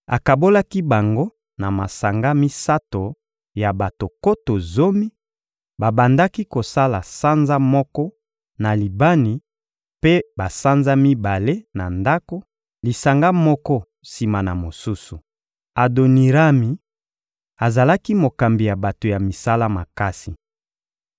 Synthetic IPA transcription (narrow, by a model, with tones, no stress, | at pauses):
a̰˨ka˨bo˦la˦ki˦ba˨ŋɡo˦ | na˨ma˨sa˨ŋɡa˦mi˦sa˦to˨ | ja˨ba˨to˨ko˦to˨zo˦mi˦ | ba˨ba˨nda˦ki˦ko˨sa˦la˨sa˦nza˦mɔ˦kɔ˦ | na˨li˨ba˦ni˨ | pe˦ba˨sa˦nza˦mi˦ba˨le˦na˨nda˦ko˦ | li˨sa˨ŋɡa˦mɔ˦kɔ˦ | si˨ma˨na˨mo˨su˦su˨ | a˨do˨ni˨ʁa˦mi˨ | a˨za˨la˦ki˦mo˨ka˨mbi˨ja˨ba˨to˨ja˨mi˨sa˦la˦ma˨ka˦si˨